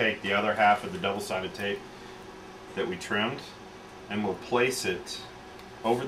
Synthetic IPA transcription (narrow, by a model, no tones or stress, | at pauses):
eɪk̚ðiʌðə˞ɦæfʌvðɨdʌbl̩ˠsaɪɾʌv̥tʰeɪp̚ | ðɨʔ̚witʰɹ̥ɪ̃md | ɨ̃nwɪlˠpʰl̥eɪsɪɾ | oʊvə˞